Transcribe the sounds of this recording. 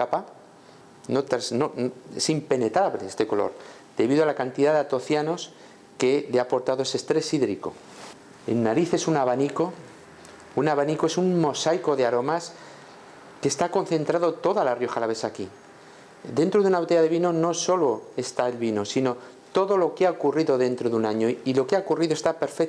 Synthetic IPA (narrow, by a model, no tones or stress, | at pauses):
apa | not̪ɾasnonoḛsimpe̞ne̞t̪ɾaβleest̪e̞ko̞lo̞̰ɾ | d̪̥e̞βiðo̞alakant̪iðaðat̪o̞θjano̞s | ke̞leapo̞ɾt̪aðoe̞sest̪ɾe̞siðɾiko̞̰ | e̞̰nːaɾiθe̞sunaβaniko̞ | unaβanikoe̞sunmo̞sajko̞ðe̞aɾo̞mas | ke̞st̪ako̞nθe̞nt̪ɾaðo̞t̪o̞ðalarjo̞xalaβe̞saki | d̪e̞nt̪ɾo̞ðunaβot̪eʝaðe̞β̞ino̞no̞so̞lo̞e̞st̪aelβino̞sino̞ | t̪o̞ðo̞lo̞keaokuriðo̞ðe̞nt̪ɾoðunaɲo̞ilo̞keaokuriðoe̞st̪ape̞ɾfek